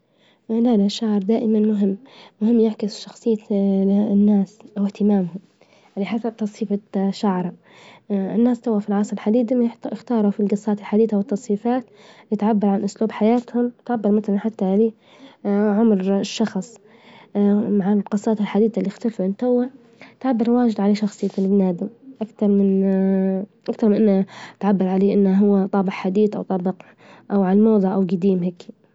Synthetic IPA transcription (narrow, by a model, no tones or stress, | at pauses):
lalaʃːaʕɾˤd̪aːʔɪmanmʊɦɪmːmʊhɪmːjaʕkɪsʃɑxsˤɨjːa | nːaːsʔawɪht̪ɪmaːmhʊm | lːiħasat̪ːɑsˤfiːfaʃaʕɾˤ | ɪnːaːst̪awːafilʕɑːsˤɪlħad̪iːd̪amɪxt̪ɑːɾˤufilɡɑsˤːɑːt̪ɪlħad̪iːd̪awɪt̪ːɑsˤfiːfaːt̪ | lɪt̪ʕabːɑɾˤʕanʔʊsluːbħajaːt̪hʊmɪt̪ʕabːɑɾˤmaθalanħat̪ːaʕaleː | ʕʊmɾʃːɑxsˤ | maʕalqɑsˤːɑːt̪ɪlħad̪iːd̪alːixt̪alfuɪnt̪awːa | t̪ʕabːɑɾˤwaːd͡ʒɪd̪ʕaleːʃɑxsˤɨjːafɪlɪbnaːd̪ɪmʔakt̪ɑɾˤmɪn | ʔakt̪ɑɾˤmɪnʔɪnːat̪ʕabːɑɾˤʕaleːʔɪnːaɦʊwːat̪ˤɑːbɪʕħad̪iːd̪ʔa̰wt̪ˤɑbɪq | ʔawʕalmɑːðˤɑʕʔawɡad̪iːmɦaːkːi